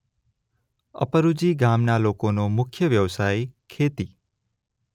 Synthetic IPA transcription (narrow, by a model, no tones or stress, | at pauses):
ə̰pəɾud͡ʒiɡamnalokonomʊkʰjəʋjəʋsajkʰet̪i